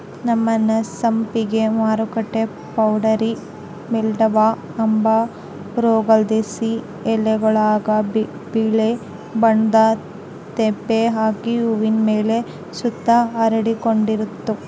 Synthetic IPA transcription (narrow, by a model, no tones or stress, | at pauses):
nɐmːɐnɐsɐmpiɡe̞maːɾukɐʈːe | pɐwɖɐɾi | mɛlɖɐʋa | ɐmbɐ | ɾoːɡɐld̪esi | ɛlːɛɡɐɭaːɡɐb | biɭe | bɐnd̪ɐ | t̪ebːeɦaːkiuʋinmeːle̞ | sud̪ːɐɐɾɐɽikoɳɖiɾut̪ːu